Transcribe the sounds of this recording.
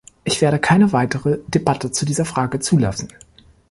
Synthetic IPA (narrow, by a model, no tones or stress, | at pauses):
ʔɪçv̥eːɐɾəkʰaɪnəvaɪtəʁəd̥ebatʰət͡sudiːzɐfʁ̥aːɡət͡suːla̰sn̩